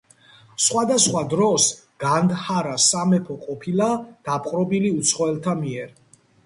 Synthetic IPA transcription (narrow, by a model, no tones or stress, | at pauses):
sχwad̪asχwad̪ɾɔs | ɡ̥and̪haɾasamɛpʰɔqʼɔpʰilad̪̥apʰʼqʼɾɔbiliut̪sʰχɔɛlt̪ʰamiɛɾ